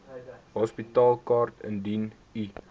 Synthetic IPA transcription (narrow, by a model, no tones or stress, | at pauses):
ɦɔspitɑːlˠkɑːrtə̰ndin | i